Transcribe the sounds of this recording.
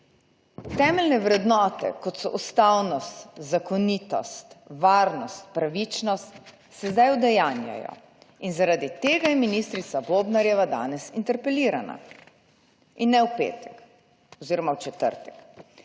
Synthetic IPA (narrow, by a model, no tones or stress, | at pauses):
t̪ɛːmɛlnɛwɾɛd̪nɔːt̪ɛ̰kɔt̪sɔʔust̪awnɔst̪zakɔniːt̪ɔ̰st̪ʋaːɾnɔst̪pɾaʋit͡ʃnɔst̪ | sɛzd̪ajʊd̪ɛjaːnja̰jɔ̰ | inzaɾaːd̪it̪eːɡajɛminiːst̪ɾit̪saboːbnaɾjɛʋad̪a̰ːnɛsint̪ɛɾpɛliːɾa̰na̰ | inːɛwpḛːt̪ɛk | ɔziːɾɔmawt͡ʃɛt̪ə̰ɾt̪ɛ̥k